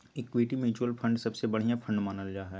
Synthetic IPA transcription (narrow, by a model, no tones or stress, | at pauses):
ekːʋiːʈimjuːt͡ʃuəlpʰɐ̃ɳɖsɐbsebɐɽ̤ijãfʰɐ̃ɳɖmaːnəld͡ʒaːɦɛː